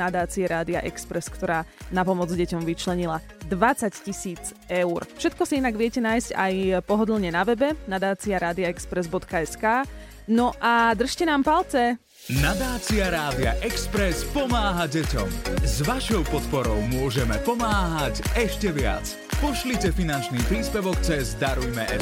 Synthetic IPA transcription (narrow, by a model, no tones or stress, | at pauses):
nad̪aːt͡siɛɾaːd̪ia̰ʔɛkspɾɛskt̪ɔɾaːnapɔmɔd͡zɟɛcɔmʋit͡ʃlɛɲila | d̪ʋat͡saccisiːt͡s | ɛʊrfʃɛt̪kɔsiinaɡʋɪɛcɛnaːjsca̰jpɔɦɔd̪lˠɲɛnaʋɛbɛnad̪aːt͡siaɾaːd̪iaɛkspɾɛzbɔt̪kaɛskaː | nɔʔad̪r̩ʃcɛnaːmpalˠt͡sɛ | nad̪aːt͡siaɾaːd̪ia̰ʔɛkspɾɛspɔmaːɦaɟɛcɔ̰mzʋaʃɔʊpɔt̪pɔɾɔʊmʊɔʒɛmɛpɔmaːɦacɛʃcɛʋɪa̰t͡s | pɔʃlicɛfinant͡ʃniːpɾiːspɛʋɔkt͡sɛzd̪aɾujmɛ̰ʔɛ̰